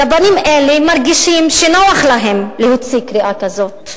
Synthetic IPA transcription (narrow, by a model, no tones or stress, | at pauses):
abanimʔelemaɾɡiʃimʃenoaχlaɦemlehut͡sikɾiʔakazot̪